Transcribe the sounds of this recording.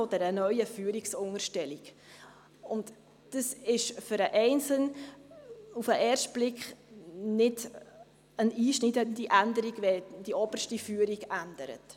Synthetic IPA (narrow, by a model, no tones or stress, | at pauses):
od̥ɛɾənœʏəfyːɾiksʊŋərʃtɛliɡ | ʊnt | d̥əsɪʃfʏɾəʔɛɪnsən | ufəʔɛːɾʃtb̥lɪkχnɪd | əniːʃnidəndiʔændəɾiɡvɛd̥iʔɔb̥ərʃtifyːɾiɡændəɾə̰t